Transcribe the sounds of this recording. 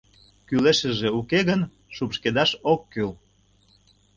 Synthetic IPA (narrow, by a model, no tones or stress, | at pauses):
kyleʃəʒeukeɣən | ʃupʃked̪ɑʃokːyl